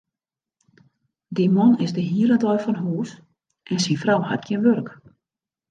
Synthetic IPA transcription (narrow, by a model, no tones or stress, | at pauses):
dimɔnɪzdəɦiəɾədɔjfɔnɦuːs | ʔɛnsinfrawha̰t̚ɡʰjɪənʋørk